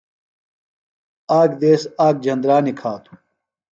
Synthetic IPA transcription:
aːkd̪eːsaːk̚d͡ʑɐnd̪ɾaːnikʰaːt̪ʰu̥

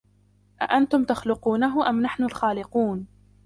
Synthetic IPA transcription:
ʔa̰ʔant̪ʊmt̪axlʊquːnaɦʊʔamnaħnʊlxaːlɪquːn

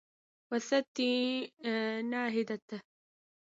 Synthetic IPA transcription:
wasat̪ːi | naːɦɪd̪at̪

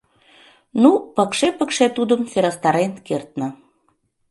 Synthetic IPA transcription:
nupəkʃepəkʃet̪ud̪əmfeɾɑst̪ɑɾenkert̪nə̆

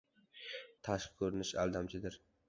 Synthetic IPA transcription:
t̪ʰaʃqkʰɵɾɪnɪʃa̰lˠd̪amt͡ʃʰɪd̪ɪɾ

